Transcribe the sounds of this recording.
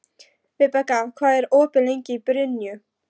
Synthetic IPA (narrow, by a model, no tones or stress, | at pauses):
pɪpakakʰvaːðɛɾoːpɪleŋcɪipɾʏnjʏ